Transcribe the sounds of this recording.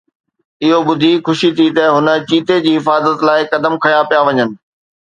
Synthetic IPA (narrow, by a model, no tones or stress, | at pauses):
ɪɦoɓʊd̪ʱixʊʃit̪ʰit̪ɐɦʊnə̆t͡ɕiːt̪ed͡ʑiːɦɪfaːzət̪laːɪkɐd̪əmkʰɐjãpijaʋɐɲənɪ̆